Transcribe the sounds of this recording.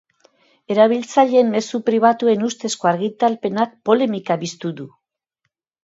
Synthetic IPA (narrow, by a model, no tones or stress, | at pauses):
e̞ɾaβ̞ilt͡saʎe̞ːmme̞supɾiβ̞at̪ue̞nust̪e̞sko̞aɾɣit̪alpe̞nak̚po̞le̞mikaβist̪uðu